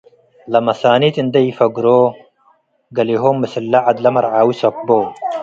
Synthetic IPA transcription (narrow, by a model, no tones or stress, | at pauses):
lɐmɐsaːnit̪ind̪ɐjfɐɡuɾo | ɡɐliɦoːmːɐsɐlːaʕad̪lɐmɐɾʕaːwisɐkbo